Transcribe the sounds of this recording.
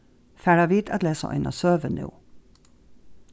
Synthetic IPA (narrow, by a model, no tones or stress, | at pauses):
fæːɖɑʋiːt̪ɑt̪leːsə̰ʔɔ̰ʏnɑ̰søːʋənʉ̰ː